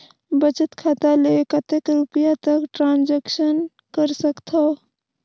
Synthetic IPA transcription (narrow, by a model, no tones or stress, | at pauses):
bət͡ʃət̪kʰaːt̪alekət̪ekɾutpjat̪əkʈɾaːnd͡ʒekʃən | kəɾsəkt̪ʰo